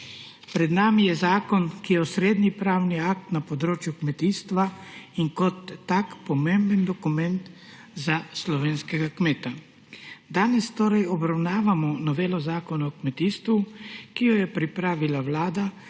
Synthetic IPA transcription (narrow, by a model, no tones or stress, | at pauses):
pɾɛd̪naːmijɛzaːkɔnkijɛɔsɾeːd̪nipɾaːwniakt̪napɔd̪ɾoːt͡ʃjukmɛt̪iːst̪ʋaiŋkɔt̪ːakpɔmembənd̪ɔkumɛnt̪ | zaslɔʋeːnskɛɡakmeːt̪a | d̪aːnɛst̪oːɾɛjɔbɾawnaːʋamɔnɔʋeːlɔzaːkɔnaɔkmɛt̪iːst̪ʋukijɔjɛpɾipɾaːʋilawlaːd̪a